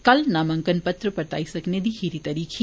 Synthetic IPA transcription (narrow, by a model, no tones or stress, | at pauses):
kɐlnaːmɐ̃ŋkənpɐt̪ɾəpɐɾt̪a̰ːisɐkned̪iɦiːɾit̪ɐːɾiːkʰe